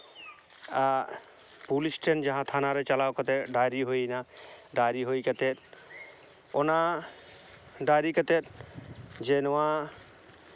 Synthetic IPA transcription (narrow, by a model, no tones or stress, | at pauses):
a | pulisʈend͡ʒaɦãt̪ʰanaɾɛt͡ʃalawkət̪ɛɖaɾiɦojnaɖaɾiɦoikət̪et̪̚ | ɔna | ɖaɾikət̪et̪̚ | d͡ʒenɔwa